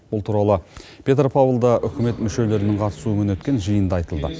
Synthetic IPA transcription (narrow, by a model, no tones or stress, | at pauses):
bʊlˠt̪ʰuɾɑlˠəpʲʰe̞t̪rpʰavlˠd̪ɑʔʏkʲʰɪme̞t̪mʏʃe̞le̞ɾɪnɪŋqʰɑt̪ə̥suəmənwɵt̪kʲe̞nʒəjənd̪ɑɑjt̪əlˠd̪ə